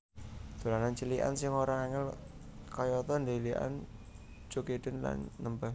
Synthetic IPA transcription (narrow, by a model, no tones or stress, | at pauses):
d̪̥o̤lanant͡ʃiliʔa̰nsɪŋoɾaŋaŋɪl | kɔjɔt̪ɔndeliʔa̰n | d͡ʒ̥oked̪̥ə̤nla̰nːəmba